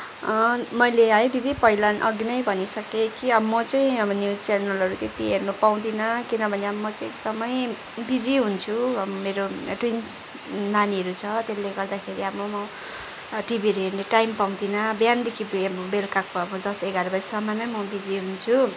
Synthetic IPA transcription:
mʌjleajd̪ʱid̪ipʌɦilanʔʌɡinʌjbʱʌnisʌkekiʌmʌt͡saj̃ʌbʌnjut͡sjanʌlʌɾut̪et̪iɦernupaw̃d̪inʌkinʌbʱʌneʌmʌt͡saj̃ekd̪ʌmʌj | bid͡ziɦunt͡sʰuʌbʌmeɾoʈwins | naniʌɾut͡sʰʌt̪elːeɡʌrd̪akʰeɾiabʌmʌ | ʈibiʌɾuɦerneʈajmpaw̃d̪inʌbjand̪ekʰibbʌbelkakːabʌd̪ʌseɡaɾʌbʌsʌmanʌjmʌbid͡ziɦunt͡sʰu

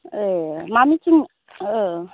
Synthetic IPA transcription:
emamit͡ʃiŋ

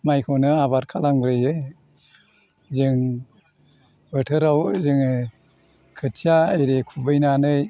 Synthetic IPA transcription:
majkʰɔnɯaβaɾkʰalamɡɾɯjɯj | zɯŋ | bɯtʰɯɾawzɯŋɯ | kʰɯtʰiaɯjɾekʰubɯjnanɯj

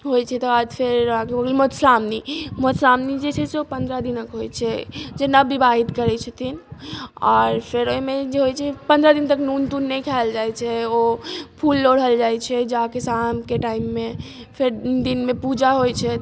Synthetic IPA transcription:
ɦojt͡ʃʰɛt̪ɔad͡ʒpʰeɾɦãkebəɡəlmot̪samnimot̪samnid͡ʒet͡ʃʰɛseopənd̪ɾəd̪inəkɦojt͡ʃʰɛd͡ʒenəbːibaɦit̪kəɾɛt͡ʃʰət̪ʰinɔɾpʰeɾoimed͡ʒeɦojt͡ʃʰɛpənd̪ɾad̪int̪əknunt̪unːɛkʰald͡ʒajt͡ʃʰɛopʰulːoɽ̤ɦəld͡ʒajt͡ʃʰɛd͡ʒaɦkesamkeʈaimːe | pʰeɾd̪inmepud͡ʒaɦojt͡ʃʰɛ

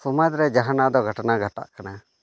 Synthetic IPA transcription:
sumad̪ɾɛd͡ʒaɦanad̪ɔɡʱəʈənaɡʱaʈa̰ʔkana

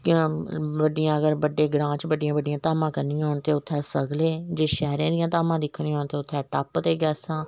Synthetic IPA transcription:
kː | bəɖːɪjãːəɡəɾbəɖːeːɡɾãːt͡ʃbəɖɪjãːbəɖɪjãːt̪aːmãːkəɾnij̃ːɦoːɳt̪eːʊt̪ʰːɛːsəɡleːd͡ʒeːʃɛːɾãːd̪ɪjãːt̪aːmãːd̪ɪkʰːnĩːɦoːɳt̪eːʊt̪ʰːɛːʈəpt̪eːɡɛːsãː

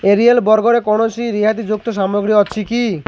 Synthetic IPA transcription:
eɾielbɔɾɡɔɽekɔɽ̃ot͡ʃʰiɾiɦat̪id͡ʒuk̚t̪oʃamoɡɾiɔːt͡ʃʰiki

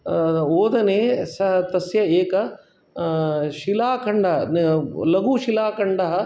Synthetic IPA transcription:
oːd̪ɐneːsɐt̪ɐsjɐeːkɐ | ʃilaːkɐɳɖɐɦnlɐɡuːʃilaːkɐɳɖɐɦɐ̆

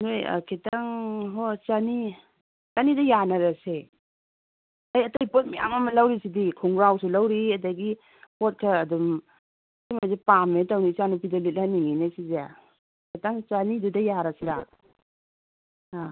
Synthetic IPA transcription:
noja̰kʰitaŋɦot͡ʃani | t͡ʃanidɐjanɐɾɐse | ajɐtajpot̚mija̰mamɐlawɾisidikʰuŋɡɾawsulawɾiɐt̬ajɡi | pot̚kʰaːdum | imazepametawnisanupʰidalit̚laniŋinasize | kʰitaŋt͡ʃanidudɐjaɾasiɾa | a

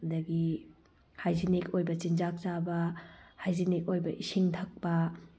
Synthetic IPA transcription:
dɐɡi | hajzinikojbɐt͡ʃind͡ʒak̚t͡ʃabɐhajzinik̚ojbɐʔisiŋtʰɐk̚pɐ

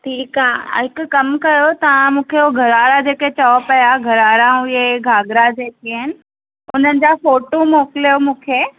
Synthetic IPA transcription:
ʈʰiːka̰ːɦɪkʊɐmkɐjot̪ɐʋ̤ãmũːkʰeoɡʱɐɾaːɾad͡ʑeːket͡ɕɔːpɐjaɡʱɐɾaːɾaʊeɡʱaːɡɾad͡ʑeːkiɪnɪ̆ | ʊn̤ənɪ̆d͡ʑafoːʈomoːkɪlijomũːkʰeː

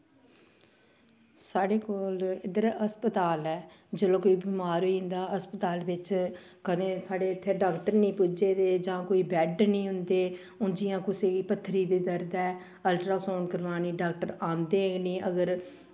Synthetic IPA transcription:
saːɖeːkoːlɪd̪əɾəspət̪aːlɛː | d͡ʒəlõːkoːiːbiːmaːɾoiːɦʊ̃nd̪aːəspət̪aːlʋɪt͡ʃkəd̪ẽːsaːɖeːt̪ʰːeːɖaːkʈəɾnĩːpʊd͡ʒeːd̪eːd͡ʒãːkoːiːbɛːɖnĩːɦʊnd̪eː | ʊnd͡ʒɪjãːkʊseːiːpət̪ʰːɾiːd̪eːd̪əɾd̪ɛː | əlʈɾaːfoːnkəɾʋaːniːɖaːk̚ʈəɾãːnd̪eːniːəɡəɾ

